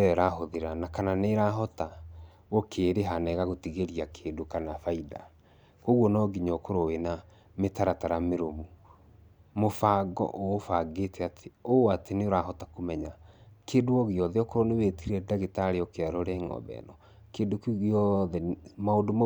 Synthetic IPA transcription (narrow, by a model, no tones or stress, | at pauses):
ɛɾaɦoðeɾanakananeɾaɦɔta | wokʰeːɾeɦanɛɣaɣotiɣeɾiakʰeːndokanafaida̰ | koɣwɔnɔɡiɲokoɾowena | metaɾataɾameɾomu | mofaɡɔ̰ʔoːfaɡetʰɛatʰeoatʰeneoɾaɦɔtakomɛɲakeːdoɔɣiɔðɛɔkoɾonewetiɾɛdaɣetaɾeɔkeaɾoɾɛŋɔ̰bɛ̰nɔ | keːndokɣiɔðɛmaodom